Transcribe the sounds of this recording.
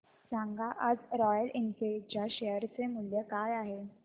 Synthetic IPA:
sãŋɡʱaʔad͡zɾɔjəlinket͡ɕjaɕejəɾt͡semuljəkajaɦe

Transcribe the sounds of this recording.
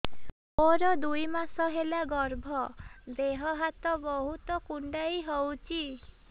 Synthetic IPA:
oɾɔd̪ujmasɔɦelaɡɔɾbʱɔd̪eɦɔɦat̪ɔbɔɦut̪ɔkuɳɖaiɦɔwt͡ʃʰi

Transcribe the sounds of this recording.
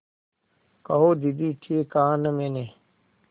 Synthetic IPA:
kɐɦoːd̪id̪iːʈʰiekãːnəmeneː

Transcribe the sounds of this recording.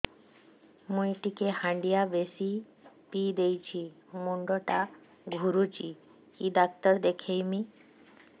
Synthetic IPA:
mujʈikehãɳɖijabesi | pid̪ejt͡ɕʰi | muɳɖoʈa | ɡʱuɾut͡ʃi | kid̪ak̚t̪əɾd̪ekʰejmi

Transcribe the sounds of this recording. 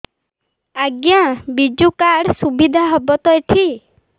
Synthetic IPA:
aɡjabid͡ʒukaɽsubid̪ʱaɦɔbɔt̪ɔeʈʰi

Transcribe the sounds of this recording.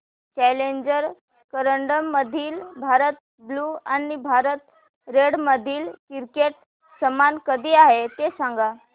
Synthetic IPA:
t͡ɕɛleɲd͡ʑəɾ | kəɾəɳɖəmːəd̪ʱiːlbʱaɾət̪̚ | bluːanibʱaɾət̪ | ɾeɽməd̪ʱiːlkiɾkeʈ | səmankəd̪ʱiːaɦet̪esãŋɡa

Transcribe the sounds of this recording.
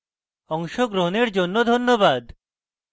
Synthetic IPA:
ɔŋʃoɡɾoɦoneɾd͡ʑonːod̪ʱonːobad̪

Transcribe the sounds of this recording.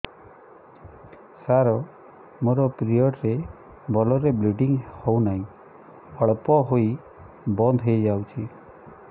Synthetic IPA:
saɾɔ | moɾɔpɾijɔʈɾe | bʱɔlɔɾebluɖiŋhownaɦĩ | ɔɭpɔɦoi | bɔnd̪ʱɦejd͡ʒawt͡ʃʰi

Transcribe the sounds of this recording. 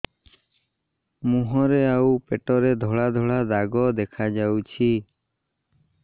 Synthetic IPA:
muɦɔɾeawpeʈɔɾed̪ʱɔɭad̪ʱɔɭad̪aɡɔd̪ɛkʰad͡ʒawt͡ʃʰi

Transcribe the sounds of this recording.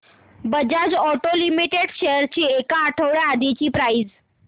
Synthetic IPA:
bəd͡ʑad͡ʑɔʈolimiʈeɽɕejəɾt͡ɕiːekaːʈʰəʋɭead̪it͡ɕiːpɾaid͡z

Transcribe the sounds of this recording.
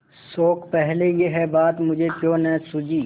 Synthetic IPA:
soːkpɛɦlejeɦɛbaːt̪mʊd͡ʒʱekjõːnɛ̃sʊd͡ʒiː

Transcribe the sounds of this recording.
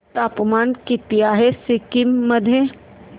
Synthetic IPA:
t̪aːpmaːnkit̪ɪjaːɦesɪkimːɐd̪ʱje

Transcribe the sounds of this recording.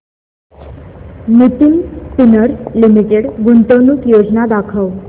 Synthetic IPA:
nit̪inpinəɾlimiʈeɽɡunt̪onuːkjod͡znad̪akʰəw

